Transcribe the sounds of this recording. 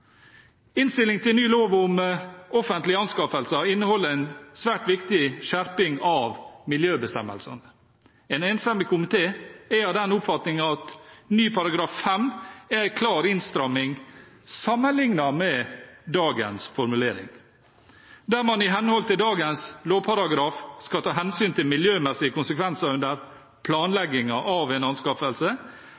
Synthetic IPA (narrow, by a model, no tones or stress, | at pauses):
ɪnst̪ɪlɪŋt̪ʰɪlnyːloːʋʊmɔfənt̪lɪɑnskɑːfəlsɑɪnːəhɔlːəɾæɪnsʋæːʈʋɪkt̪ɪʃæɾpɪŋɑʋmɪljøːbəst̪ɛmə̰lsə̰nə | ɛnɛnfɾɛmɪkʰʊmɪt̪ʰeːɛɑd̪ɛnʊpfɑt̪nɪŋɑt̪nyːpʰɑɾɑɡɾɑːffɛmækʰlɑːɾɪnst̪ɾɑmːɪŋ | sɑmːənlɪŋnɑmɛd̪ɑːɡənsfɔɾmʉleːɾɪ̰ŋ | d̪æɾmɑnɪɦɛnəhɔlt̪ɪld̪ɑːɡənsloːpʰɑɾɑɡɾɑːfskɑt̪ʰɑːɦɛnsyːnt̪ʰɪlmɪljøːmɛsɪəkʊnsəkʰʋɛnsɑɾʉnd̪əɾ | pʰlɑːnlɛɡɪŋɑʔɑʋɛnɑnskɑfəlsə